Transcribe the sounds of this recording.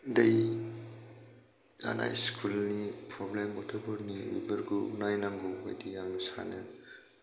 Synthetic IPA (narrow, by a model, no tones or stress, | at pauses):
dɐj | a̰nʔa̰jskʰulnipʰɾɔblembɔtʰubɯɾniwḭbəɾɡuunajnaŋɡuɦo̰jdijaŋnisa̰nɐ